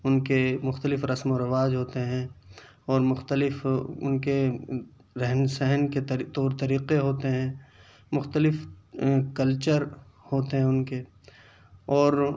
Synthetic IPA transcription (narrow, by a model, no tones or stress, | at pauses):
ʊnkemʊxt̪əlɪfɾɐsmoɾɐʋaːd͡ʒɦoːt̪eɦɛ̃ː | ɔːɾmʊxt̪əlɪfʊ̰nke | ɾɛɦnsɛɦənket̪ɐɾt̪oːɾt̪ɐɾiːqeɦoːt̪eɦɛ̃ː | mʊxt̪əlɪf | kɐlt͡ʃəɾ | hoːt̪eɦɛ̃ʊnke | ɔːɾ